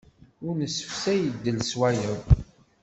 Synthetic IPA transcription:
ʊɾnəsːəfsæjəd̪ːəlswæjəw

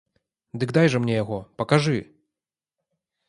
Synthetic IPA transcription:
d̪ɨkd̪ajʐɐmnʲɛjaɣɔpɐkaʐɨ

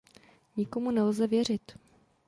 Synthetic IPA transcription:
ɲɪko̞munɛlzɛvjɛr̝ɪt̪

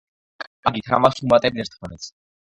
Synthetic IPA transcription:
kʼaɡit̪ʰɾa̰masumat̪ʼɛbid̪ɛɾt̪ʰχʰɔnɛt̪sʰ

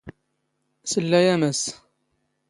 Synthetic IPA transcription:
səlːæjæməs

